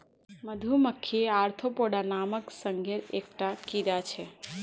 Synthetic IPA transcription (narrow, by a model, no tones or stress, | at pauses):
məd̪ʱuməkʰːeaɾt̪ʰopoɽanaməksəŋɡʱeɾek̚ʈakiɾat͡ʃʰɛ